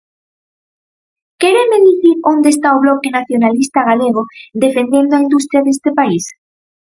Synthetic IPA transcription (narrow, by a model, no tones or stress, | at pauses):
keɾemeðiθiɾond̪est̪aoβlokenaθjonalist̪aɣ̞aleɣ̞od̪efend̪end̪oaind̪ust̪ɾjaðest̪epais